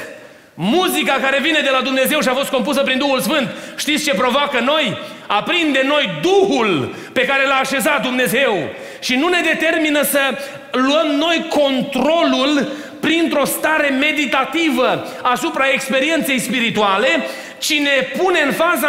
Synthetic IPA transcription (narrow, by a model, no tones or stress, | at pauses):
muzikakaɾe̞vine̞d̪e̞lad̪umne̞ze̞wʃiafo̞st̪̚ko̞mpusəpɾind̪uhulsfɨnt̪ʃt̪itsʲt͡ʃe̞pɾo̞vakəno̞j | apɾind̪e̞mno̞jd̪uhul | pe̞kaɾe̞laːʃe̞zat̪̚d̪umne̞ze̞w | ʃinune̞d̪e̞t̪e̞rminəsə | luəmno̞jko̞nt̪ɾo̞lul | pɾint̪ɾo̞st̪aɾe̞me̞d̪it̪at̪ivə | asupɾae̞kspe̞ɾie̞nt̪se̞jspiɾit̪uale̞ | t͡ʃine̞pune̞ɨnfaza